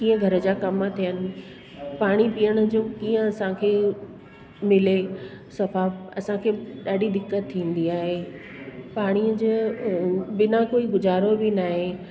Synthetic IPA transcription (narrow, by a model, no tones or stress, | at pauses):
kiːə̃ɡʱɐɾə̆d͡ʑaːkɐmt̪ʰijənɪ̆ | paːɽ̃ipijəɽ̃ʊ̆d͡ʑoːkiːə̃ɐsãkʰeː | mɪlesɐfaːɐsãkʰeːɗaːɖid̪ɪkːət̪ʰːĩːn̆d̪iaːɦe | paːɽ̃iəd͡ʑe | bɪnakoːiɡʊzaːɾobɪnaːɦe